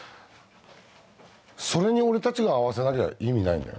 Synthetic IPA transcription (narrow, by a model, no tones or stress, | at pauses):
so̞ɾe̞ɲ̟io̞ɾe̞t̪at͡ɕiɡaːβ̞ase̞nakea̰ʔimʲina̰ḭ̃nd̪a̰jo̰